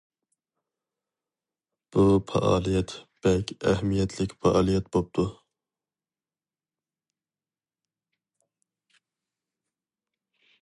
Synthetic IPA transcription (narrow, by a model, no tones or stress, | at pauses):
b̥upʰɑ̰ʔɑ̰ːlˠijɛt̪b̥ɛlkʲɛhmijɛt̪ʰlɪkʲfɑʔɑːlˠijɛt̪bop̚t̪ʰu